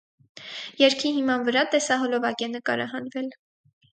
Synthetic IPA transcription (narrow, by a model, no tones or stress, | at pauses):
jɛɾkʰihimɑnvəɾɑt̪ɛsɑɦɔlɔvɑkɛnəkɑ̰ɾɑ̰ɦɑnvɛl